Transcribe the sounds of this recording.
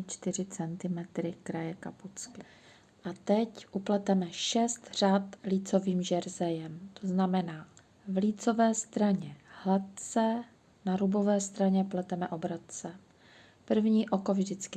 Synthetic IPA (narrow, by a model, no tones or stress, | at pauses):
t͡ʃt̪ɪr̝ɪt͡sɛnt̪ɪmɛt̪ɾɪkɾajɛkaput͡skɪ | ʔat̪ɛcʔuplɛt̪ɛmɛʃɛst̪r̝̥aːt̪liːt͡so̞viːmʒɛɾzɛjɛmt̪oznamɛnaː | vliːt͡so̞vɛːst̪ɾaɲɛhlat̪̚t͡sɛ | naɾubo̞vɛːst̪ɾaɲɛplɛt̪ɛmɛʔo̞bɾot̪̚t͡sɛ | pr̩vɲiːʔo̞ko̞vʒdɪt͡skɪ